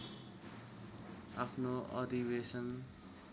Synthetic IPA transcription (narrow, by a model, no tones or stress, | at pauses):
a̰pʰnoʌd̪ʱibesʌn